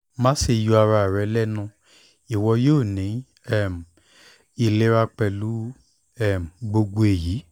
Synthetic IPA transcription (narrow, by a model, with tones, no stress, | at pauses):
mã˦ʃe˧ju˧˦a˧ɾa˧˨ɾɛ˧lɛ˦nũ˧ | i˦˨wɔ˧joː˦˨nĩ˨˦ | ɛ˦˨m˨ | i˨le˦ɾa˧k͡pɛ˧˨lu˦ | ɛ˦˨m˨ɡ͡bo˧ɡo˧e˨ji˨˦